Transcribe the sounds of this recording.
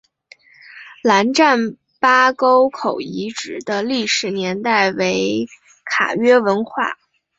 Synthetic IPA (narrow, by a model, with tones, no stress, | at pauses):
la˧˥nʈ͡ʂa˥˩n | pa˥ko˥ʊkʰo˨˩ʊi˧˥ʈ͡ʂɻ̩˨˩d̪ə˦li˥˩ʂɻ̩˨˩njɛ˧˥nt̪a˥˩ɪwe˧˥ɪ | kʰa̰˨˩ɥɛ˥wə˧˥nxwa̰˥˩